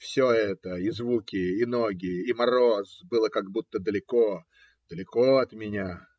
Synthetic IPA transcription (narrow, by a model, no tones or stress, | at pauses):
fsʲoɛɛt̪əizvukʲɪːno̞ɡʲɪimɐɾo̞sbɨlˠəkaɡbut̪ːəd̪əlʲɪko | d̪̥əlʲɪkoɐt̪mʲɪnʲa